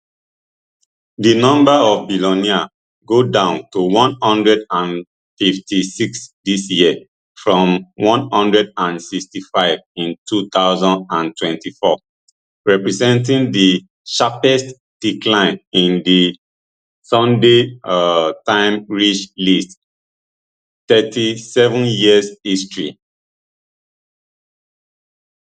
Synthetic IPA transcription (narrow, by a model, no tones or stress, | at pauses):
dinɔ̃mbaɔvbilɔnia | ɡodãʊ̃ntuwɔ̃nhɔ̃ndɹɛdãn | fiftʰisiksdisjiə | fɹɔ̃mwɔ̃nhɔ̃ndɹɛdãnsikstifaɪvĩntʰut̪aʊzɔ̃ndãntwɛ̃ntifɔ | ɹɛpɹɛzɛ̃ntĩŋdi | ʃapɛst | d̥ikʰlãɪ̃nĩndi | sɔ̃nde | tãɪ̃mɹit͡ʃlist | t̪ɛtisɛvə̃njiəshistɹi